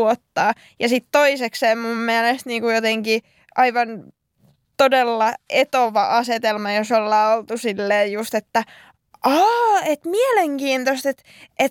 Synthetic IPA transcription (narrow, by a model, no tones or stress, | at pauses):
ot̪ːɑː | jɑsit̪toisekseːmumːiælest̪niːŋkujot̪eŋki | ʔɑiʋɑn | t̪odelːɑet̪oʋɑ̰ʔɑset̪elmɑjosolːɑːolt̪usilːeːjjust̪et̪ːæ | ʔɑːet̪mieleŋkiːnt̪ost̪et̪ | ʔet̪